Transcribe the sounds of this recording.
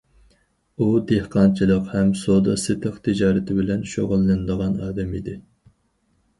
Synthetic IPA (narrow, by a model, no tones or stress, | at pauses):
ud̪ehqɑnt͡ʃʰilˠəqhɛmsod̪ɑsɨt̪ʰəqt̪ʰɪd͡ʒɑːɾɪt̪ʰɪbɪlɛnʃoʁʊlˠːɨnɨd̪əʁɑnɑːd̪ɛmid̪ɪ